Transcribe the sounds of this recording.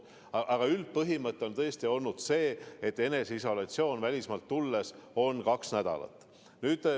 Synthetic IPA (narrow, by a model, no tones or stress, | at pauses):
ʔɑɡ̥ɑylt̪̚pɤɦimɤt̪ːˑeo̞nt̪ɤest̪io̞lnud̪̥se̞ːet̪ːe̞ne̞seiso̞lɑt̪sio̞ːnvælʲismɑlt̪ːulːeso̞nkɑksnæd̪̥ɑ̰lɑ̰t̪ːˑ | nyːd̪̥